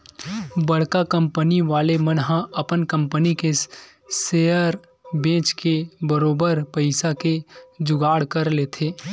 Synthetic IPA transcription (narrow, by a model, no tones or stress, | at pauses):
bɐɽ̤kakɐ̃mpəniʋaːlemənɦãɐpənkɐ̃mpənike | seːəɾ | bẽːt͡ʃkebəɾoːbəɾpəɪsaked͡ʒʊɡaːɽkəɾleːt̪ʰeː